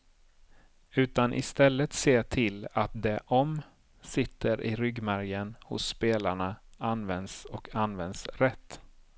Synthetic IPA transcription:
ʉ̟ːt̪anʔɪ̰st̪ɛlːət̪seːʈʰɪlat̪̚d̪ɛʔɔm | sɪt̪ʰːəɾʔɪɾʏɡmæɾjənhʊ̰sːpeːlaɳaanvɛnd̪sɔkʰanvɛnd̪sɾɛt̪ː

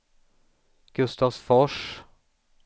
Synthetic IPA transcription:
ɡ̥ʉst̪ɑsfɔʃ

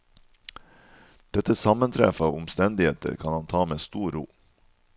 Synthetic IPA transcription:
d̪̥ɛt̪əsɑmənt̪ʰɾɛ̰fɑːʋʊmst̪ɛnd̪ɪheːt̪ə̰ɾkʰɑnhɑnt̪ʰɑːmeːst̪uːɾuː

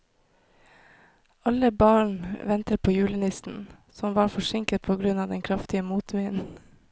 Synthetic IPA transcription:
ɑləbɑːɳʋɛnt̪əɾpʰoːjʉːlənɪsn̩ | sɔmʋɑːɾfɔʂɪŋkət̪̚pʰoːɡɾʉnɑːd̪ɛŋkʰɾɑft̪ɪəmuːt̪ʋiːnn̩

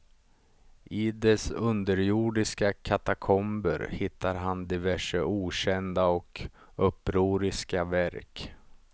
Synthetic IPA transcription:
ʔɪd̪ɛsɵnd̪əɾjuːɖɪskakʰat̪akʰɔmbəɾhɪt̪ʰːaɾɦand̪ɪvæʂəuːɕɛnd̪aɔk | ɵpːɾuːɾɪskavæɾk

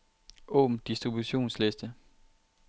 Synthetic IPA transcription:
ʔɔ̰ːmd̥isd̥ʁibuɕo̝̰ːnslesd̥ə

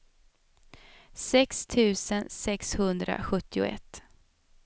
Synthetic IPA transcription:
sɛkst̪ʰʉ̟ːsənsɛkshɵnd̪ɾa̰ɧɵt̪ːɪʊ̰ɛ̰t̪ː

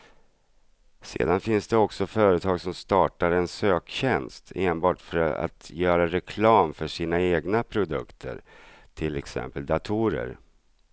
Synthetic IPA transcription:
sḛːd̪anfɪnsd̪ɛɔksɔfœːɾət̪ʰɑːɡsɔmst̪ɑːʈaɾɛnsøːkɕɛnst̪ʰeːnbɑːʈfœɾa̰t̪jœːɾaɾɛkʰlɑːmfœʂiːnaeːɡnapʰɾʊd̪ɵ̰kt̪ʰə̰ɾ | ʈʰɪlɛksɛ̰mpəld̪at̪ʰuːɾə̰ɾ

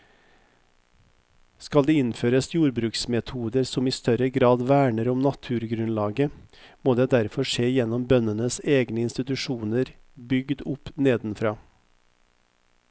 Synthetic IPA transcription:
skɑld̪eːɪnføːɾəsjuːɾbɾʉːksmɛt̪ʰuːd̪əɾsɔmiːst̪œɾəɡɾɑːd̪ʋæːɳəɾɔmnɑt̪ʰʉːɾɡɾʉnlɑːɡəmoːd̪eːd̪æɾfɔʂeːjɛnɔmbœnənəseːɡnəɪnst̪ɪt̪ʉʂuːnəɾ | bʏɡd̪ʊpneːd̪n̩fɾɑː

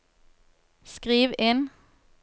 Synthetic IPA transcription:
skʁiːʋeːn

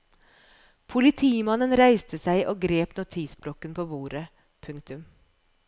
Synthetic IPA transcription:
pʰʊlɪt̪ʰiːmɑnənɾæɪst̪ʰəsæɪʔoːɡɾeːpnʊt̪ʰiːsblɔkənpʰoːʋuːɾə | pʰʉŋkt̪ʉm

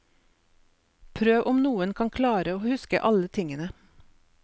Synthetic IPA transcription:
pʰɾøːʋʔʊmnuːənkʰɑŋkʰlɑːɾəoːhʉskə̰ʔɑlət̪ʰɪŋənə

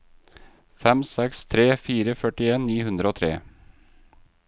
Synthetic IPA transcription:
fɛmsɛkst̪ʰɾeːfiːɾəfœʈɪeːniːhʉnd̪ɾəoːt̪ʰɾḛː

